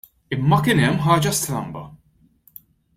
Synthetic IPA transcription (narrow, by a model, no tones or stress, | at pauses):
ɪmːɐkɪːnɛmːħɐːd͡ʒɐst̪ɾɐ̰mbɐ̰